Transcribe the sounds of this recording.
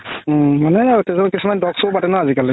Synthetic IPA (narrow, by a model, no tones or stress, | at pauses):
manɛaɡotɛzabkisumandɔksopatɛnaazikali